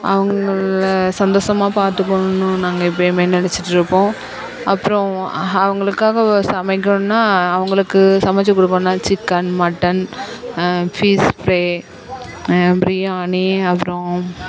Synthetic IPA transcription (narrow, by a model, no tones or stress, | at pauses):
ʔɐ̰ʋɐŋɡɐɭsɐnd̪oːsɐmaːpaːɾt̪ɯkːoɳɯnːɯ̃naːŋɡɐɪpːojmenɪnɛt͡ʃːɪʈːɯɾɯpːõː | ʔɐpːɯɾɔ̃ɐʋɐŋɡɐɭɯkːaːɣɐsɐmɐɪkːõnːaːɐʋɐŋɡɐɭɯkːɯsɐmɐt͡ʃːɐkːʊɽɯkːõnːaːt͡ʃɪkːɐnmɐʈːɐn | fiːspɾeː | bɾɪjaːɳiɐpːɾõ